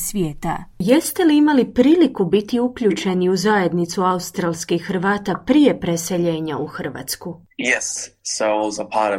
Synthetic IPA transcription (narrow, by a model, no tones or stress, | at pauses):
sʋjeːt̪a̰jest̪e̞liimalipɾiːlikubit̪iukʎut͡ʃe̞niuzaje̞d̪nit̪suaust̪ɾalˠskiːɾʋaːt̪apɾije̞pɾe̞se̞ʎe̞ːɲauxr̩ʋa̰ːt̪sku | jɛsːoʊzəpʰɑɾʌ